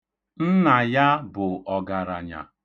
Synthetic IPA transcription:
n̩˦na˨ja˦bʊ˨ɔ˨ɡa˨ɾa˨ɲa̰˨

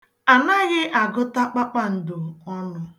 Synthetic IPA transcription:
a˨na˦ɣɪ˦ʔa˨ɡʊ˦ta˦k͡pa˦k͡pa˦n̩˨dʊ˨ɔ˦nʊ˦

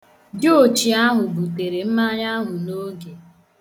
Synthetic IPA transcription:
dɪ˦o˨t͡ʃi˨a˦ɦʊ˨bu˨te˨ɾe˨m̩˦ma˦ɲ˦a˦ɦʊ˨no˦ɡe˨

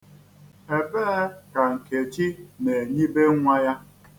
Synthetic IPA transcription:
e˨beː˦ka˨ŋ̩˨ke˨t͡ʃi˦ne˨e˨ɲi˦be˦ŋʷa˦ja˦

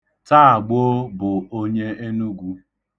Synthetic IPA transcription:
ta˦a˨ɡ͡bo˦bʊ˨o˦ɲe˦e˦nu˦ɡʷu˦

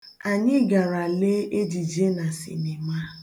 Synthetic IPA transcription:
a˨ɲɪ˦ɡa˨ɾa˨le˦e˦d͡ʒi˨d͡ʒe˦na˨sɪ̰˨nɪ˨ma˦

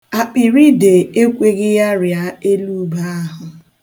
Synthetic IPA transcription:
a˨k͡pi˨ɾi˦de˨e˦kʷe˦ɡɪ˦ja˦ɾja˦e˦lu˦ba˦a˦ɦʊ˨

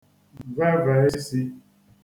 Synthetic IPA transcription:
vɛ˦va˨˦ɪ˦si˦

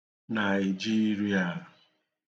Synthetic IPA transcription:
na˨d͡ʒi˦ɾi˨a˨

